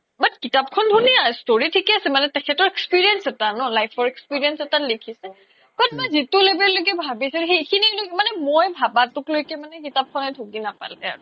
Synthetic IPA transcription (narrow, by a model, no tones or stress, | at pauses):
manɛkitap̚kʰɔndʱuniastoɹitʰikɛasɛmanɛtɛkʰɛtɔɹekspiɹiɛnsɛtanɔlajpʰɔɹɛkspiɹiɛnsɛtalekʰisɛ | kɔtmazitulebɛllojk̬ɛbʱabisɛxejkʰinilomanɛmɔjbʱabatʊklojkɛmanɛkitap̚kʰɔnɛdʱukinapa̰ltɛa̰ɹʊ